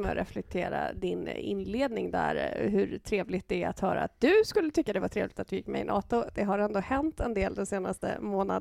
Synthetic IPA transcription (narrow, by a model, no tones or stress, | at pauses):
mɛɾʔɛflɛk̚t̪ʰeːɾa̰d̪ɪnɪ̰nleːd̪nɪŋd̪æɾɦɵɾt̪ʰɾeːvlɪt̪̚d̪ɛɛat̪hœːɾaat̪̚d̪ɵskɵlːət̪ʰʏkːad̪ɛvat̪ʰɾeːvlɪɡ̚t̪at̪̚d̪ɵjɪkːmɛjɪnʔɑːt̪ʊd̪̥ɛɦaɾɛnd̪oːhɛnt̪ɛnd̪eːld̪ɛmseːnast̪ə̰moːna